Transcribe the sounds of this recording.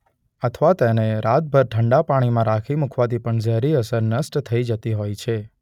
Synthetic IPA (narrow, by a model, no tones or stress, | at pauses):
ət̪ʰʋat̪eneɾat̪̚bʱəɾʈʰəɳɖapaɽ̃imãɾakʰimukʰʋat̪ʰipəɳd͡ʒəɦɾiəsəɾnəsʈt̪ʰːəid͡ʒət̪iɦojt͡ʃʰe